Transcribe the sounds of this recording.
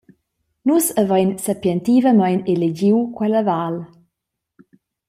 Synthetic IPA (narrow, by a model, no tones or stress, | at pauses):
nusəvajnsapjɛnt̪ivəmajneled͡ʑiwkwɛləval